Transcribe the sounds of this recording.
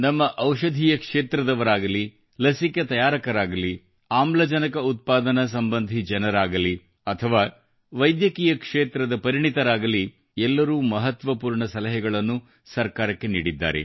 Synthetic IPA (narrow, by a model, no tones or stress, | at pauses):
nɐmːɐʔɐwʃɐd̪ʱijɐkʂeːt̪ɾɐd̪ɐʋɐɾaːɡɐli | lɐsikɐt̪ɐjaːɾɐkɐɾaːɡɐli | aːmlɐd͡ʒɐnɐkɐut̪̚paːd̪ɐnɐs̬ɐmbɐnd̪ʱid͡ʒɐnɐɾaːɡɐli | ɐt̪ʰɐʋaː | ʋɐjd̪jɐkiːjɐkʂeːt̪ɾɐd̪ɐpɐɾiɳit̪ɐɾaːɡɐli | ɛlːɐɾuːmɐɦɐt̪ʋɐpuːɾɳɐsɐlɐɦɛɡɐɭɐnːu | sɐɾkaːɾɐkːe̞nḭːɽid̪ːa̰ːɾe̞̰